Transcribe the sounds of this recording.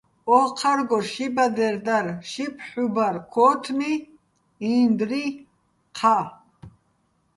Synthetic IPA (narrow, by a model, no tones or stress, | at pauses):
ɔqʰaɾɡɔʃibad̪ɛɾd̪aɾʃipʰħubaɾkʰɔːt̪ʰmi | ind̪ɾi | qʰa